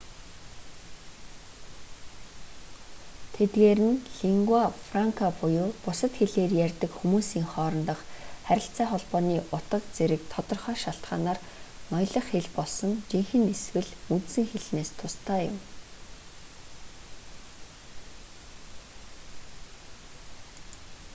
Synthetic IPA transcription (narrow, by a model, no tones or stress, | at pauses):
t̪ʰet̪ɡeːɾɘ̆nɮiŋɡwafraŋkʰapʊjʊːpʊsə̆t̪xeɮeːrjærʲt̪ɘ̆kxumuːsiːŋχɔːɾɞ̆nt̪ə̆χχæɾʲɪ̆ɬt͡sæːχɔɮpɔːniːʔʊt̪ə̆q̚t͡seɾɘ̆k̚t̪ʰɔt̪ɞ̆rχœːʃaɬt̪ɢa̰ːnaːr | nɔjɮɞ̆χxeɮpɔɮsɞ̆ŋt͡ɕiŋxɘ̆neswɘ̆ɮut̪sɘ̆ŋxeɮneːst̪ʰʊst̪ʰaːjʊm